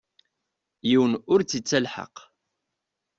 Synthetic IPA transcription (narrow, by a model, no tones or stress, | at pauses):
jiwənʊɾt͡sːit͡sːælħə̰q